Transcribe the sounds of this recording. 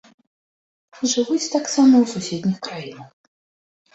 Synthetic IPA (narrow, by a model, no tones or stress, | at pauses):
ʐɨvut͡sʲt̪aksamɐwsusʲed̪ʲnʲixkɾajinɐx